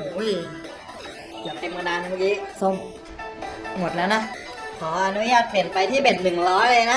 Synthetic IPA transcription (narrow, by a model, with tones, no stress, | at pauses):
u˨˦j | ja˨˩p̪e˧nmɯː˧naː˧n˦ma˧˥kiː˦˥so˥˩m | mo˨˩t̪̚lɛː˦˥wna˦˥ʔ | kʰɔː˩˦ʔa˧nu˦˥jaː˥˩t̪̚pe˨˩npa˧jt̪ʰiː˥˩be˨˩t̪̚nɯ˨˩ŋlɔː˦˥lɤ˧jna˦˥